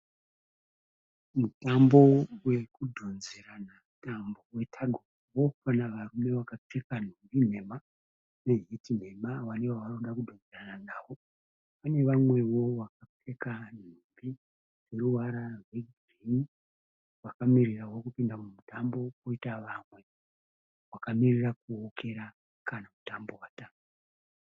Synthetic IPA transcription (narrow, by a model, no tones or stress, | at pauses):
mutambo̞wekudʱonzeɾanamtambo̞we̞tʰaɡʱorowo̞kanaʋarume̞wakap͡fe̞kan̤umbin̤e̞ma | neɦitin̤e̞mawanewaʋanoɗakudʱond͡zerananaːwo̞ | pane̞ʋamwe̞wo̞ʋak̚ap͡fe̞kan̤umbi | d͡ze̞ruwaɾarweɡ | rimi | ʋakamirirawo̞kupindamumutambo̞koitaʋamwe̞ | wakamirirakuokʰe̞ɾa | kanamutambo̞wataːtu